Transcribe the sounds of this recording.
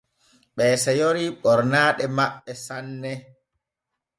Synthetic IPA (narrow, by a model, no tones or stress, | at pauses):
ɓɛːsɛjoɾiɓɔɾnaːɗɛmaɓːɛsanːɛ